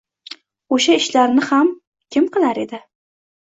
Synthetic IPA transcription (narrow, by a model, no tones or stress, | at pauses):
oʃaɪʃlaɾnɪham | kʲʰɪmqʰɨlaɾe̞d̪ɪ